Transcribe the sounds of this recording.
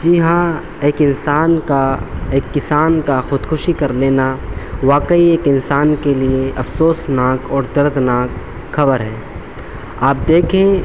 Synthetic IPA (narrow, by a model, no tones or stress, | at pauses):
d͡ʒɪɦã | eːkɪnsaːnkaeːkːɪsaːnkaxʊd̪kʰʊʃikɐɾleːnaʋaːkəieːkɪnsaːnkelieʔɐfsoːsnaːkɔːɾd̪ɐɾd̪ʱnaːk | xɐbəɾɦɛː | aːp̚d̪eːkʰẽː